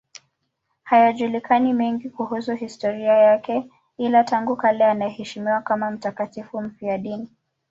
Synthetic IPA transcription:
hajaʄulikʰanimɛŋɡikuhusuhistɔɾiajakɛ | ilataŋɡukalɛanaɛhɛʃimiwakamam̩takatifum̩fiaɗini

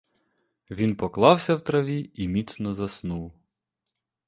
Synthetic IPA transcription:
ʋʲinpɔklˠɑwsʲɐwt̪ɾɐʋʲiimʲit̪snɔzɐsnuw

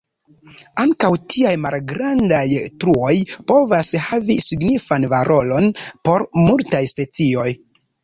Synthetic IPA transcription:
aŋkawtʰiajmalɡɾandajtɾuo̞jpo̞vashavisiɡnifanvaɾʔo̞lo̞npo̞ɾmultajspe̞t͡sio̞j

